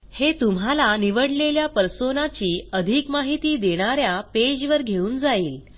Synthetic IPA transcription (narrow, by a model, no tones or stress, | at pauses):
het̪umɦalaniʋəɽleljapəɾsonat͡ɕiːəd̪ʱikmaɦit̪iːd̪eɽ̃aɾjaped͡ʑʋəɾɡʱeuːnd͡zaiːl